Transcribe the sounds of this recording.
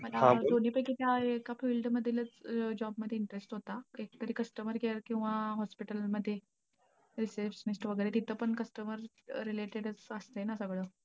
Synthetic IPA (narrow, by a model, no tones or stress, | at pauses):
məlaad̪oniːpəjkit̪jaekafiːlɖməd̪ʱːilət͡sd͡ʑɔbməd̪ʱjeiɳʈəɾesʈɦot̪aek̚t̪əɾiːkəsʈəməɾɡeəɾkĩw̃ʋaɦɔspiʈəlməd̪ʱːje | ɾisəɾfsnisʈʋəɡəjɾet̪it̪ʰəːpəɳkəsʈəməɾː | ileʈeɽət͡səst̪əjnasəɡɭəː